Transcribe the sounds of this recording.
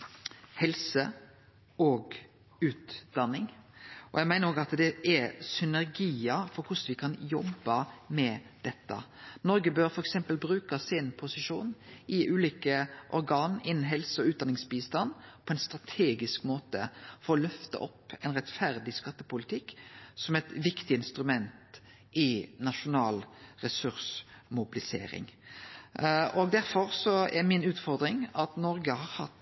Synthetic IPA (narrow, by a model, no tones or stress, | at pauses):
hɛlsə | ɔːɡ | ʉːt̪d̪ɑnːɪŋʔɔjæɪmæɪnəɾoːɡɾɑt̪d̪ɛʔɛsʏnæɾɡiːəfɔɾkʊsʋɪkʰɑnjɔbɑmɛd̪̥ɛt̪ːə̰nɔɾɡəbøːɾfɔɾɛksɛmpəlbɾʉːkəsɪnpʰʊsɪʂuːnʔɪʔʉːliːkəʔɔɾɡɑːnɪnn̩ɦɛlsəɔʉːt̪̚d̪ɑnɪŋsbiːst̪ɑnːpʰɔɛnst̪ɾɑt̪ʰeːɡɪskmoːt̪ə̰fɔɾɔlœft̪ɑ̰ʔɔpːɛnɾɛt̪fæɾd̪ɪskɑt̪ːəpʊlɪt̪ʰɪkːsɔmɛt̪ʋɪkt̪ɪɪnst̪ɾʉmɛnt̪ | ɪnɑʂʊnɑːlɾɛsʉɾsmʊbɪlɪsḛːɾɪ̰ŋ | ʔɔɡd̪æɾfɔɾsɔɛɾmɪnʉːt̪fɔɾd̪ɾɪŋɑt̪nɔɾɡəhɑɾhɑt̪ː